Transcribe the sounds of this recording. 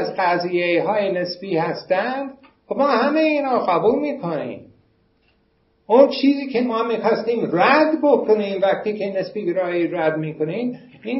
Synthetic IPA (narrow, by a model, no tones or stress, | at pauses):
zɢæziːjeɦɑːjenesbiːhæst̪ænd̪ | mɒːhæmejiːnɑːɢæbuːlmiːkʰonḭːm | ont͡ʃʰiːziːkʰemɒːmixɑst̪iːmræd̪bokʰoniːmvæxt̪ʰiːkʰenesbiːbeɾɑːjiɾæd̪miːkʰoniːm | iːn